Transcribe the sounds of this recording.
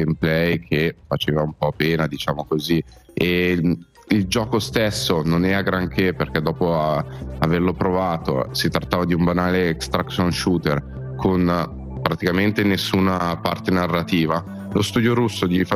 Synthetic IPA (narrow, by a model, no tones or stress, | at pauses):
emplɛjkʰefat͡ʃeːvaumpɔpeːnad̪it͡ʃaːmokozi | e | ild͡ʒɔːkost̪esːononɛːɾaɡɾaŋkʰeperk̟ɛd̪ɔːpo | averlopɾovaːt̪o̰sit̪ɾat̪ːaːvad̪iumbanaːleɛkst̪ɾaksonʃuːt̪er | kʰon | pɾat̪ikament̪enesːuːnapa̰rt̪enarːat̪iːva | lost̪uːd̪joɾusːod̪if